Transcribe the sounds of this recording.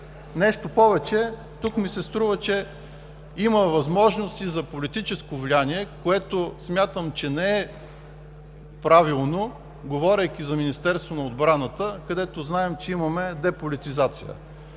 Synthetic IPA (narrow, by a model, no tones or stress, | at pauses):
nɛʃt̪opɔvɛt͡ʃɛ | t̪ukmisɛst̪ɾuvət͡ʃɛ | iməvɐzmɔʒnost̪izɐpolit̪it͡ʃɛskovlʲianiɛkoɛt̪osmʲjat̪əmt͡ʃɛnɛɛ | pɾavilˠno | ɡovɔɾʲəjk̟ʲizɐminist̪ɛɾst̪vonɐod̪bɾanət̪əkɐd̪ɛt̪oznaɛmt͡ʃɛimɐmɛd̪ɛpolit̪izat̪sijə̰